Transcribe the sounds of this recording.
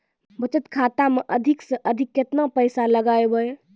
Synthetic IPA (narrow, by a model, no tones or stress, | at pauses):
bət͡ʃət̪kʰaːt̪ameʔəd̪ʱiksə̃ʔəd̪ʱɪkjet̪napəjsaləɡaːebəj